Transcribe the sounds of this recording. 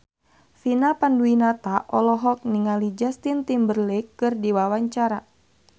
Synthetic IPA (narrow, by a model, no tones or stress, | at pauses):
finapanduinat̪aʔɔlɔɦɔk̚niŋalid͡ʒast̪int̪imbərlɛkːɨrdiwawaɲt͡ʃaɾa